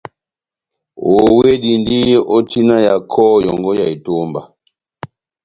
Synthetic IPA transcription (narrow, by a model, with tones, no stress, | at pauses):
o˨we˦di˨ndi˦ɔ˦tʰi˦na˦ja˨kʰɔ˦jɔ˨ŋɡɔ˦ja˨i˨to˦mba˨